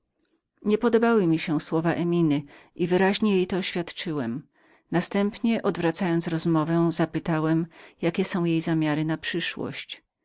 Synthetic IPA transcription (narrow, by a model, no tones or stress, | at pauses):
ɲɛpɔd̪ɔbawɘmʲiɕɛ̃swɔvaʔɛmʲinɘʔivɘɾaʑɲɛjejt̪ɔːɕfʲjat̪t͡ʂɘwɛm | nast̪ɛmpɲɛʔɔd̪vɾat̪sajɔnt̪sɾɔzmɔvɛzapɘt̪awɛmjakʲɛsɔ̃w̃jejzamʲjaɾɘnapʂɘʂwɔ̰ɕt͡ɕ